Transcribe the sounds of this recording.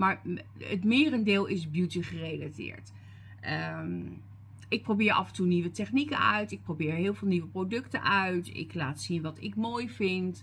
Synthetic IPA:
maːɹə̰tmɪːrəndɪːlˠɪsbjutəχərejlatɪ̰ːɹt | ʔə | ɪk̚prowbɪːɹʔɑ̰fəntuniʋətɛχnikənœ̰ɥtɪk̚prowbɪːɹɦɪːlˠvɪːlˠniʋəprowdɵktə̰nʔœɥtɪ̰klaːtsinʋɑtɪkmoːjvɪnt

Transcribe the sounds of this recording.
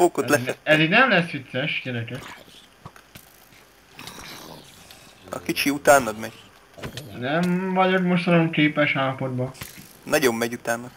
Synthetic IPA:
oːkot̪lɛɛɛziɡnɛmlɛsːʋit̪sɛʃjɛnɛkɛk | ɒ̰kit͡ʃiut̪aːnːɒd̪mɛɟ | nɛmvɒɟodmoʃt̪ɒloŋkeːpɛʃhaːpoɾbɒ | nɒɟo̞bmɛɟut̪aːnːɒ̥

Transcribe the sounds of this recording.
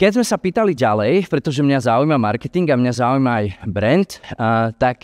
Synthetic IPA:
kɛzmɛsapiːt̪aliɟalɛjpɾɛt̪ɔʒɛmɲazaujmamaɾkɛt̪iŋɡamɲazaujmaːjbɾɛnt̪t̪ak

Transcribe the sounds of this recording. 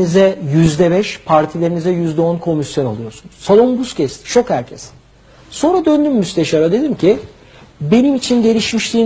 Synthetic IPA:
izɛjyzd̪ɛbɛʃpʰaɾt̪ʰilʲe̞ɾinizɛjyzd̪ɛo̞nkʰo̞misjo̞nalˠujo̞ɾsunuz̥salˠombuscʰɛst̪ʰi̥t͡ʃʰo̞khæɾcʰɛs | so̞nɾad̪ø̞nd̪ymːyst̪eʃaɾad̪e̞d̪imcʰi | be̞nimit͡ʃʰinɟe̞ɾiʃmiʃlʲiː

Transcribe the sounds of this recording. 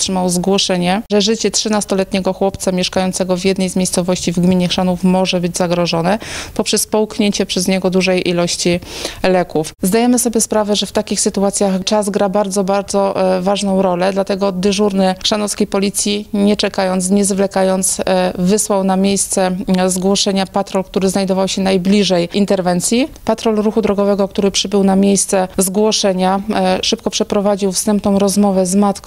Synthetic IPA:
tʂɘmawzɡwɔʂɛɲɛʐɛʐɘt͡ɕɛtʂɘnast̪ɔlɛt̪ɲɛɡɔxwɔpt̪samʲjɛʂkajɔnt̪sɛɡɔvjɛd̪nɛjzmjejst̪sɔvɔɕt͡ɕivɡmʲiɲɛxʂanufmɔʐɛbɘd͡ʑzaɡɾɔʐɔnɛpɔpʂɛspɔwkɲeɲt͡ɕɛpʂɛzɲɛɡɔd̪uʐɛjʔilɔɕt͡ɕilɛkufzd̪ajɛmɘsɔbʲjɛspɾavɛʐɛft̪akʲixsɘt̪uat̪sʲjaxt͡ʂazɡɾabaɾd̪zɔbaɾd̪zɔvaʐnɔ̃w̃ɾɔlɛd̪lat̪ɛɡɔd̪ɘʐuɾnɘkʂanɔskʲejpɔlʲit̪sʲjiɲɛt͡ʂɛkajɔnt̪sɲɛzvlɛkajɔnt̪svɘswawnamʲjejst̪sɛzɡwɔʂɛɲapat̪ɾɔlkt̪uɾɘznajd̪ɔvawɕɛnajblʲiʐɛjʔint̪ɛɾvɛnt̪sʲjipat̪ɾɔlɾuxud̪ɾɔɡɔvɛɡɔk̚t̪uɾɘpʂɘbɘwnamʲjejst̪sɛzɡwɔʂɛɲaʂɘp̚kɔpʂɛpɾɔvad͡ʑiwfst̪ɛmp̚nɔ̃w̃ɾɔzmɔvɛzmat̪k

